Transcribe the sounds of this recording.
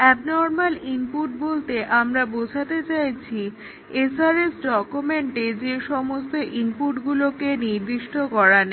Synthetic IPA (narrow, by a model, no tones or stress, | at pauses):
ɛbnɔɾmalimpuʈ̚bolt̪eʔamɾabod͡ʑʱat̪et͡ɕajt͡ɕʰi | esaɾesɖɔkumeɳʈed͡ʑeʃɔmost̪oʔimpuʈɡulokeniɾd̪iʃʈokɔɾane